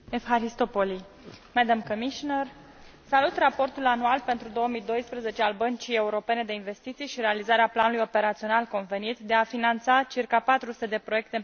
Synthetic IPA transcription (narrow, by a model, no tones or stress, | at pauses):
efɦaɾist̪o̞poli | mɛd̪amkomiʃinər | salut̪rapo̞rt̪ulanualpe̞nt̪ɾud̪o̞womijd̪o̞jspɾeze̞t͡ʃealbənt͡ʃije̞uɾo̞pe̞ne̞d̪e̞inve̞st̪it̪sijʃiɾe̞alizaɾeaplanulujo̞pe̞ɾat̪sio̞nalko̞nve̞nit̪d̪e̞afinant̪sat͡ʃirkapat̪ɾust̪ed̪e̞pɾoje̞k̚t̪e